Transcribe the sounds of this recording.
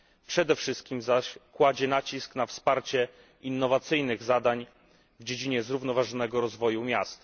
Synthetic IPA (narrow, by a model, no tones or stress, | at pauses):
pʂɛd̪ɛfʂɘst̪̚kʲimzaɕkwad͡ʑɛnat͡ɕisknafspaɾt͡ɕɛ | inːɔvat̪sɘjnɘɣzad̪aɲ | vd͡ʑed͡ʑiɲɛzɾuvn̪ɔvaʐɔnɛɡɔɾɔzvɔjumʲjast̪